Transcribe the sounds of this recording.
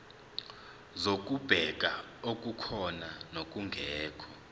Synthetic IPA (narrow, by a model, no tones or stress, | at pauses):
zok̬ʼub̥ʱɛk̬ʼaok̬ʼukʰɔnanok̬ʼuŋɡʱɛːkʰɔ